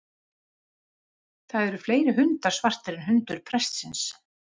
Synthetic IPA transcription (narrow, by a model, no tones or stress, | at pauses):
θaðɛɾʏfleːjɾɪɦʏnt̪aɾ̥svar̥t̪ɪɾɪnɦʏnt̪ʏɾ̥pʰɾɛst̪sɪns